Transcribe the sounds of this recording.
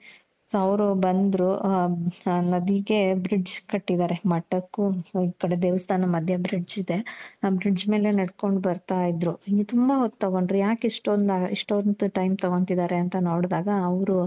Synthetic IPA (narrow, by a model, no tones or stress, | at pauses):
soɐʋɾubɐnd̪ɾu | nɐd̪iɡe̞bɾid͡ʒkɐʈːid̪aːɾe̞mɐʈːɐkːuiːkɐɽed̪eːʋɐst̪ʰaːnɐmɐd̪ʱjɐbɾid͡ʒid̪e̞bɾid͡ʒme̞ːle̞nɐɽko̞ɳɖbɐɾt̪aːjid̪ɾuit̪umbɐɦot̪ːt̪ːɐɡoɳɖɾujaːkiʂʈond̪aːɡɐiʂʈond̪uʈɐjmt̪ɐɡont̪id̪aːɾe̞ɐnt̪ɐno̞ːɽd̪aːɡɐːʋɾu